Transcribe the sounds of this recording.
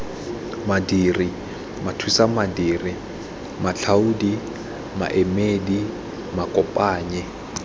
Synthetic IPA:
madiːri | matʰwisamadiːri | maɬʰaudi | ma̰ʔɛmedi | makʼɔpʼaːɲɛ

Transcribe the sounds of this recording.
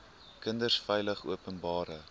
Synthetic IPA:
kəndərsfɛjləχṵəpənbɑːɾə

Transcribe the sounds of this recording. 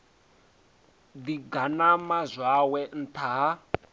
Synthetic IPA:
d̪iɡanamazʷwawɛn̩t̪ʰaa

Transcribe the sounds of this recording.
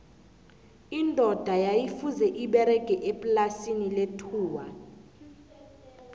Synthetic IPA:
indʼʱɔd̥ʱajajifuzɛʔiɓɛɾɛɡ̥ʼʱɛʔepʼlasiniletʰuːwa̰

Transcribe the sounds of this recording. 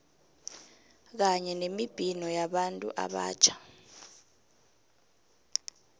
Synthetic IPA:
k̬aɲɛnemib̥ʱinɔjaɓantʼṵʔa̰ɓa̰ːt͡ʃʰḁ

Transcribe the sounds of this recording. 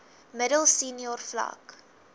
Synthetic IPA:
mədəlˠsiːniɔrflɐ̰k

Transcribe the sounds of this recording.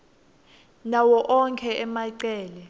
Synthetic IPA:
nawɔʔɔŋkʰɛʔɛmaiǀɛːlɛ

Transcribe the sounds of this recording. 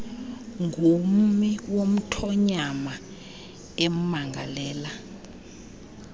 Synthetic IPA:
ŋɡʱum̩miwom̩tʰɔɲama | em̩maŋɡʱalɛːla

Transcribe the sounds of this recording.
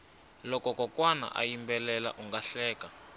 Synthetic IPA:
lɔkɔkɔkwana̰ʔa̰jimbɛlɛla̰ʔuŋɡaɬɛːka

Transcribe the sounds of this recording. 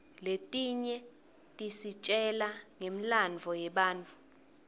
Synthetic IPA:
letʼiɲɛ | tʼisit͡ʃʼɛlaŋem̩land͡vʱɔjɛɓaːnt͡fʼu

